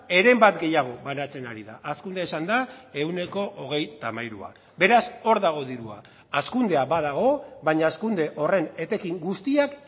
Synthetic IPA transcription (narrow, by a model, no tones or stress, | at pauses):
e̞ɾe̞mbat̪ɡe̞jaɣ̞o̞βanat͡se̞naɾiða̰ʔaskund̪eesand̪ae̞wne̞ko̞ʔoɣ̞e̞jt̪amajɾṵa̰ | be̞ɾaso̞ɾðaɣ̞o̞ðiɾua̰ | askund̪e̞aβaðaɣ̞o̞βaɲaːskund̪e̞ʔo̞re̞ne̞t̪e̞kiŋɡust̪iak